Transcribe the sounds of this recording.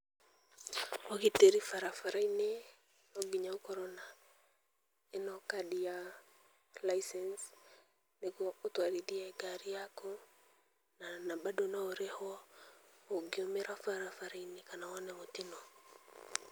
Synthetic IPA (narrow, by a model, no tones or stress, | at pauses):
ɔkiteɾifaɾafaɾaine | nɔbiɲaukɔɾɔna | enɔkadija | laisɛns | nekɔːtwaɾidiaɛɡaɾijakɔ | nanabadonaɔɾɛhɔ | oɡiɔmɛɾafaɾafaɾainekanawanɛmotinɔ